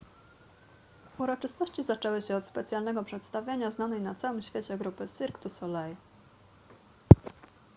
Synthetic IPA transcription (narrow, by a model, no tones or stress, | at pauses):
uɾɔt͡ʂɘst̪ɔɕt͡ɕizat͡ʂɛwɘɕɛɔt̪spɛt̪sʲjalnɛɡɔpʂɛt̪st̪avʲjeɲaznanɛjnat̪sawɘmɕfʲeɛt͡ɕɛɡɾupɘsiɾkt̪usɔlɛj